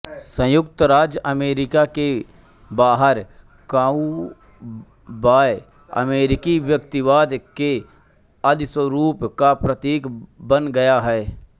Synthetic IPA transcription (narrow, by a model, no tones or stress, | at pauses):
sə̃jʊkt̪əɾaːd͡ʒəmeːɾɪkake | baːɦəɾ | kaːu | baːj | ɐ̰meːɾɪkiʋjəkt̪ɪʋaːd̪ke | əd̪ɪswəɾuːpkapɾət̪iːkbənɡɐjaɦɛː